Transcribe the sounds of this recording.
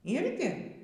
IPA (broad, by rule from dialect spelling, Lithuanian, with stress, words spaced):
ˈɪrʲɡʲɪ